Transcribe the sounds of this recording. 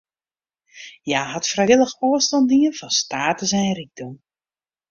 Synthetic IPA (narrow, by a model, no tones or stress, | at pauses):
jaːɦatfrɛjɪlˠəxoəstɑndiŋənvɔnstaːtəzɛjriɡ̚dum